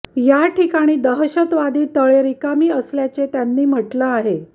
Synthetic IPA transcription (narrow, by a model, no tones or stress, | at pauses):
jaʈʰikaɽ̃iːd̪əɦəɕət̪ʋad̪iːt̪əɭeɾikamiːəsljat͡set̪janːiːm̤əʈləaɦe